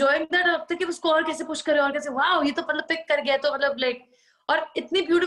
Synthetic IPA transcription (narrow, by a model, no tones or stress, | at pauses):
d͡ʒɔːɪ̃ŋd̪æʈɐt̪ɐkiʊskoɔːɾkɛːsepʊʃkɐɾeɔːɾkɛːseʋaːʊjeːt̪omɐt̪ləbpɪkːɐɾɡɐjet̪omɐt̪ləblaɪk̚ | ɔːɾɪt̪nibjuːʈɪ